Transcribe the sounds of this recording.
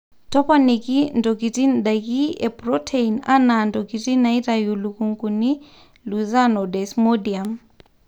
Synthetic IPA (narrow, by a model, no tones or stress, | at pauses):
tɔpanikindɔkitinɗakiɛpɾɔtʰeina̰nandɔkitinaitajulukuŋkuni | luzanɔdɛsmodiam